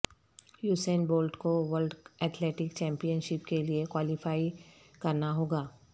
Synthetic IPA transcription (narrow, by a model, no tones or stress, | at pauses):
juːsenboːlɖkoʋəlɖɛːt̪ʰleːʈɪkt͡ʃɛ̃ːmpijənʃɪpkeliekwaːlɪfaːi | kɐɾnaɦoːɡaː